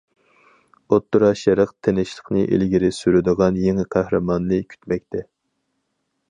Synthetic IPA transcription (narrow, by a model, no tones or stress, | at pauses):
ot̪ːuɾɑʃɛɾəqt̪ʰenɪʃlˠəqnɨʔḛlɡʲiɾɪsyɾyd̪əʁɑnjeŋɪqʰæhɾɨmɑnːɨkʲʰy̥t̪mɛk̚ʲt̪ʰɛ